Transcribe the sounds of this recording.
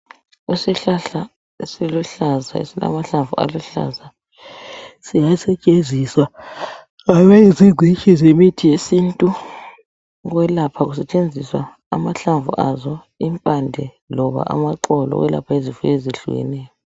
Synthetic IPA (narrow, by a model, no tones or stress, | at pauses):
usiɬaɬa | silɔɬaza̰ḛsila̰maɬaɱvuʔa̰lɔɬa̰za | sijasɛt͡ʃʼenzʱiswa | ɣaβɛiziɡ͡ǀʱit͡ʃʰʼizemitʰijesintʼu | ɣwɛlapʰaɣusɛt͡ʃʼend͡zʱiswaː | maɬaɱvṵʔazɔ | impʼandʱɛ | lɔβa̰ʔa̰maǃɔlɔ̰ɣwɛ̰la̰pʰaezifueziɬṵɣɛ̰nɛːjɔ